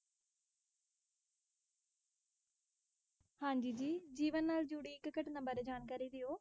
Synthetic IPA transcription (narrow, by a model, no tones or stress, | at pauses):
hãːɲd͡ʒiːd͡ʒiːd͡ʒiːʋənːaːld͡ʒuːɽiːɪkkəʈnəmbəɾd͡ʒaːnkaːɾiːd̪ɪoː